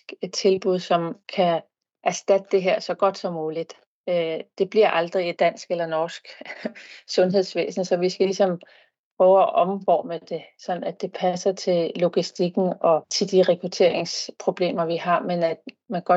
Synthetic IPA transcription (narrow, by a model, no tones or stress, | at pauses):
ɡ̥e̥t͡sʰe̝lb̥uð̰ˠsɒ̽mkʰæ | ʔæɐsd̥æd̥əd̥e̝ɦeɐ̰sɒ̽ɡ̥ɒ̽d̥sɒ̽mːuːlid̥ | ød̥e̝b̥liɐ̰ʔɑ̈ld̥ʁiid̥æn̰sɡ̥elɐnɒːsɡ̥ | sɔ̽nɦe̝ð̞̰ˠsʋḛːsn̩sɒ̽ʋisɡ̥ælisɒ̽m | pʰʁœʊæʔɒ̽mʋɒ̰ːməd̥e̝sɒ̽n̥n̩æd̥e̝pʰæsɐt͡sʰe̝llo̝ɡ̥isd̥iɡ̥n̩ɒ̽t͡sʰe̝ld̥iʁɛkʰʁut͡sʰe̝̰ɐ̰eŋspʰʁo̝b̥le̝̰ːmɐʋihɑ̈menæd̥ | mænɡ̥ɒ̥̽